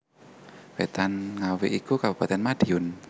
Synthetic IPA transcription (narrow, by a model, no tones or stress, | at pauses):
wet̪anŋawiʔikukab̥ṳpat̪ɛnmad̥iʊn